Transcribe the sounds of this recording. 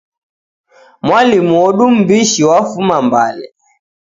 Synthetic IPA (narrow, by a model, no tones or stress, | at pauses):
mwalimuɔɗum̩biʃiwafumamba̰lɛ̰